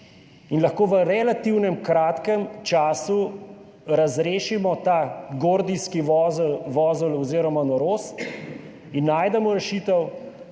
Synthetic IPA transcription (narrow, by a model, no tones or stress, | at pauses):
inlɐxkoːʋəɾɛlat̪iwnɛmkɾaːt̪kɛmt͡ʃaːsu | ɾazɾeːʃimɔt̪aːɡoːɾd̪iskizlʋɔːzulɔziːɾɔmanɔɾoːst̪ | inːaːjd̪ɛmɔɾɛʃiːt̪ɔw